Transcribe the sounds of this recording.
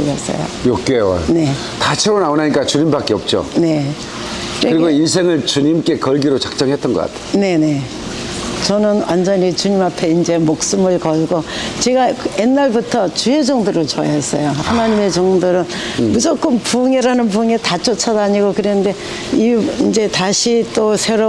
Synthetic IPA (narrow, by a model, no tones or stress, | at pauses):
ʌs͈ʌ̰jo̰jok̚k͈ḛne̞ | tat͡ɕʰeɾonaonaɲik͈at͡ɕuɲimbak͈eʌp̚t͡ɕ͈o̰ne̞ | ekɯɾiɡoins̬ʰe̞ŋɯɭt͡ɕuɲimk͈e̞kʌɭɡiɾot͡ɕak̚t͡ɕ͈ʌŋɦet͈ʌnɡʌk͈a̰tʰe̥jne̞ne̞ | t͡ɕʌnɯnwa̰nd͡ʑʌɲit͡ɕuɲimapʰe̞ind͡ʑe̞mok̚s͈ɯmɯɭkʌɭɡot͡ɕe̞ɡajenːaɭbutʰʌt͡ɕued͡ʑʌŋdoɾot͡ɕʌjaɦes͈ʌjohanaɲime̞t͡ɕʌŋdoɾɯn | mud͡ʑok͈ɯnpuŋeɾanɯnpuŋetat͡ɕ͈ʰot͡ɕʰʌdaɲiɡokɯɾenɯnde̞ | iind͡ʑe̞taɕʰit͈osʰe̞ɾo